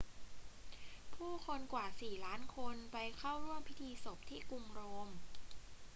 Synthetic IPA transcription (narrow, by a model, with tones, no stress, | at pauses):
pʰuː˥˩kʰo˧nkwaː˨˩siː˨˩laː˦˥nkʰo˧npa˧jkʰa˥˩wɾu˥˩əmpʰi˦˥t̪ʰiː˧so˨˩p̚t̪ʰiː˥˩ku˧ŋɾoː˧m